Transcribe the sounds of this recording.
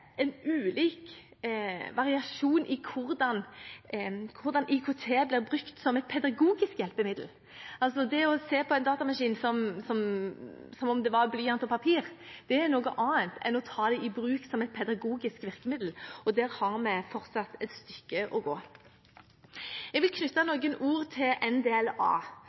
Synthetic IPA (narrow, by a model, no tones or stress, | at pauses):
ɛnʉːliːk | ʋɑʁɪɑʃuːnʔɪkʰʊɾd̪ɑn | kʰʊɾd̪ɑnʔikʰot̪ʰeːblɪːʁbʁʉkt̪sɔmɛt̪̚pʰɛd̪ɑɡuːɡɪskjɛlpəmɪd̪l̩ | ɑlsɔd̪ɛɔseːpʰɔɛɪnd̪ɑːt̪ɑmɑʂiːnsɔmsɔm | sɔmɔmd̪ɛʋɑɾblyːɑnt̪ɔpʰɑpʰiːʁd̪̥ɛɛɾnoːɡəʔɑːənt̪ɛ̰nɔt̪ʰɑːd̪ɛʔɪbɾʉːksɔmɛt̪̚pʰɛd̪ɑɡuːɡɪskʋɪʁkəmɪd̪l̩ɔd̪æːɾhɑʁmɛfɔʁt̪sɑt̪ːɛt̪st̪ʏkːəʔɔɡoː | ɛɡʋɪlkʰnʏt̪ːɑnɔɡənuːʁt̪ʰɪlʔɛnd̪eːɛlɑ̰ː